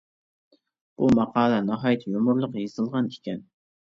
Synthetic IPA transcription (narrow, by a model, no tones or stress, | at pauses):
b̥umɑqʰɑːlˠɛnɑɦɑjɪt̪ʰjomʊɾlˠəqjezɨlˠʁɑnikʲɛn